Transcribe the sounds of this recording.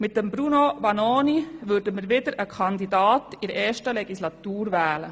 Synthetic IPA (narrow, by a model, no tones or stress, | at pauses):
mɪt̚d̥əmbɾunoʋɑnoːniʋʏɾdəmɪɾʋɪdəɾəkʰɑnd̪idɑːtɪɾɛːʃtəlɛɡislɑt̪uːɾʋɛːlə